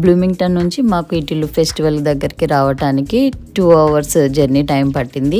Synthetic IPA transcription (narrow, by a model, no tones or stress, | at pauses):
bluːmiŋɡʈɐnːuɲt͡ʃimaːkuiʈilupʰesʈiʋɐld̪ɐɡːɐɾikiɾaːʋɐʈaːnikiʈuːɐʋɐɾsd͡ʒɐɾniʈɐjmpɐʈːind̪i